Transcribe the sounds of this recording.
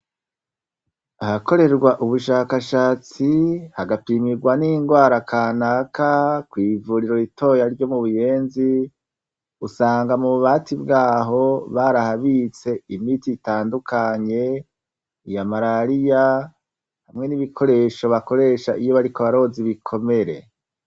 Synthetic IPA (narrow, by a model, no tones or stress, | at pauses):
ahako̞ɾe̞ɾɡwaʔuβuʃaːkaʃaːt͡sihaɡapiːmiɾɡwaniːŋɡwaːɾakʰaːnakakwiːvuːɾiɾo̞ɾitʰo̞jaɾɟo̞muβuje̞ːnzi | usaːŋɡamuβuβaːtibɡaːɦo̞βaɾahaβit͡se̞imitiːtaːndukʰaɲe̞ | ijamaɾaɾija | hamŋe̞niβikʰo̞ɾe̞ʃo̞βako̞ɾe̞ʃaʔijo̞βaɾikoβaɾo̞ziβikʰo̞me̞ɾe̞̰